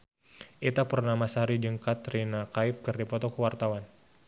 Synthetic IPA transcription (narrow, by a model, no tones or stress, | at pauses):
ʔit̪apərnamasaɾid͡ʒəŋkat̪ɾinakaɪp̚kərdipɔt̪ɔkəwart̪awan